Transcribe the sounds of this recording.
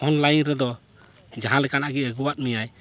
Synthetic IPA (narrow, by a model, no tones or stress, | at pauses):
ɔnlajɾɛd̪ɔ | d͡ʒaɦãlɛkanaʔɡɛəɡuwat̚mijaj